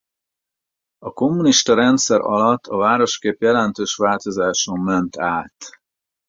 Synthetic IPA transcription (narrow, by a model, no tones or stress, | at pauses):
ɒko̞mːuniʃt̪ɒɾɛn̪t̪sɛɾɒ̰lɒt̪ʰːɒvaːɾo̞ʃkeːpjɛlɛnt̪øːʃʋaːlt̪o̞zaːʃomːɛnt̪aːt̪